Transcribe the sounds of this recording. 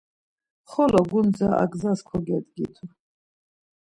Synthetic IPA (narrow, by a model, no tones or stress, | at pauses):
χɔlɔɡund͡zaʔa̰ɡzaskʰɔɡɛd̪ɡit̪ʰu